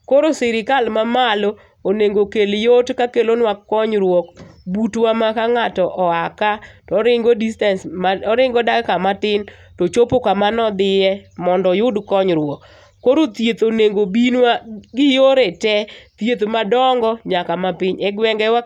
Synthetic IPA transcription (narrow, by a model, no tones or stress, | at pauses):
koɾosiɾɪkalmamalo | oneŋɡokeljotkakelonwakːɔɲɾwɔkbutwamakaŋatɔʔɔakatɔɔɾɪŋɡodistansmaɔɾɪŋɡɔdakkamatɪn | tot͡ʃopokamanɔd̪ɪjɛmɔndɔjʊdkɔɲɾwɔkː | oɾot̪jet̪oneŋɡobinwaɡɪjoɾetɛt̪jet̪omadɔŋɡɔɲakamapɪɲɛɡwɛŋɡɛwa